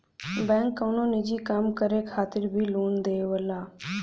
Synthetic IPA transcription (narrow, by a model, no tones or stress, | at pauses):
bɛ̃ːŋkːəːnõːnɪd͡ʒiːkəmkəɾekʰaːt̪ɪɾbʱiːluːnd̪eːʋəlaː